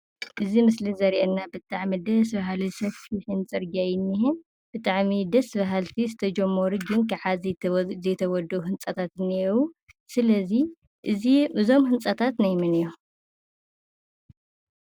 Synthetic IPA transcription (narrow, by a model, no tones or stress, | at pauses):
ʔɨzimɨslizɐɾʔɛnːabɨt̪ʼaʕmid̪ɐs̬baɦalisɐffiħɨnt͡sʼɨɾɡajɪnːihɨn | b̥ɨt̪ʼaʕmid̪ɐsɨβɐɦalt̪ʰizɨt̪ʰɐd͡ʒɐmːɐɾuɡɨnkʰaʕazzɐjt̪ʰɐwɔd̪ɐuhɨnt͡sʼɐt̪ʰat̪ɨnːiwu | sɨlɐzi | ʔɨziʔɨzo̞mhɨnt͡sʼɐt̪ʰat̪najmɨnɨjːo